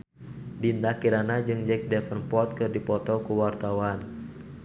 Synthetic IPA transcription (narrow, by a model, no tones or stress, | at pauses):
dind̪akiɾanad͡ʒɨŋd͡ʒɛk̚dɛfənpɔt̪̚kɨrdipɔt̪ɔkuwart̪awan